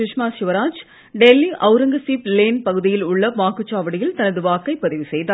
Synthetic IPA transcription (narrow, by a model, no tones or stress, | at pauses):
ɪʂmaːʃɪʋɐɾaːd͡ʒ | ɖɛlːiʔɐʊɾɐŋɡɐsiːpleːnpɐɣɯðɪjɪlʊɭːɐʋaːkɯt͡ʃːaːʋɐɽɪjɪlt̪ɐnɐðɯʋaːkːɐɪpːɐðɪʋɪsɛjðaː